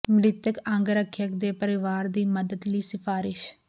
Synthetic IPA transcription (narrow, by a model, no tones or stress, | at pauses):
mlɪt̪əkə̃ŋɡɾəkʰːjəkd̪eːpəɾɪʋaːɾd̪iːməd̪əd̪liːsɪpʰaːɾɪʃ